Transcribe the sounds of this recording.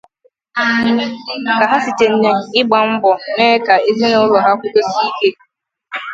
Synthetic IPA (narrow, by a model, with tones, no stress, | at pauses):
ka˨ɦa˦sɪ˨t͡ʃe˨n̩˦ɲe˨ɪ˦ɡ͡ba˨m̩˦bɔ˨neː˦ka˨e˦zi˦no˦ɾʊ˨ɦa˦kʷʊ˦ko˦si˦i˦ke˦